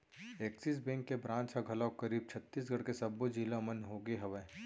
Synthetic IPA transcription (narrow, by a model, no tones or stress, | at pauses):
eːksiːs̬bẽːŋkːebɾãːt͡ʃʰaɡʱɐlakɐɾiːb̚t͡ʃʰɐt̪ːiːs̬ɡʱɐɽkesɐbːod͡ʒiːlãmɐnɦoːɡeɦɐʋɛː